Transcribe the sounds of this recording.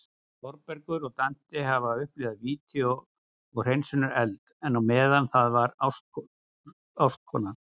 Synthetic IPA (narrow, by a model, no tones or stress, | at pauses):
fɔɾpɛɾkʏɾɔɣt̪an̥t̪ɪɦavaʏhpleːɣðaðviːt̪ʰɛo | ɔɣr̥ejnsɪnʏɾɛlt̪ɛnawmɛːðanθaðvaɾawst̪ɔ | awst̪̚kʰɔnaɾ̥